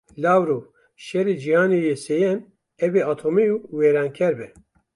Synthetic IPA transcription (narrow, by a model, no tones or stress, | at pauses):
laːwɾo | ʃɛɾed͡ʒihɑːnejesejɛn | ɛbeaːt̪ʰomejuweːɾɑːnkʰɛɾbɛ